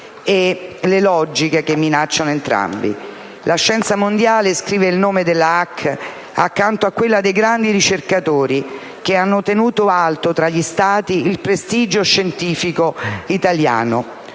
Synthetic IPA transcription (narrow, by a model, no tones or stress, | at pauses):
elelɔd͡ʒikek̟emːinat͡ʃːanoent̪ɾa̰mbḭ | laʃːɛnt̪samond̪jaːleskɾiːveilnoːmed̪elːaakː | a̰kːant̪oakːwelːad̪ejɡɾand̪iɾit͡ʃerkat̪oːɾi | k̟eanːot̪enuːt̪oalt̪ot̪ɾaʎːist̪aːt̪iːlpɾest̪iːd͡ʒoʃːent̪iːfikoit̪alja̰ːno